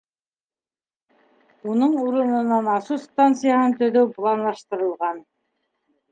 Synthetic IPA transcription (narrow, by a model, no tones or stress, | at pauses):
unɤɴuɾɤ̆nɤ̆nɑnɑsust̪ant̪sɨjaɦɤnt̪ɵ̆ðɵwplˠɑnlˠɑʃt̪ɤ̆ɾɤ̆lˠʁɑn